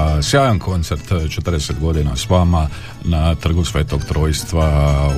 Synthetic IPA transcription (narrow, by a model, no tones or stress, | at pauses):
sjaːjonkʰo̞nt̪seɾt̪t͡ʃet̪rd̪ese̞t̪ɡo̞d̪ina̰sʋaːma | nat̪r̩ɡusʋe̞ːt̪o̞ɡt̪ɾo̞ːjst̪ʋa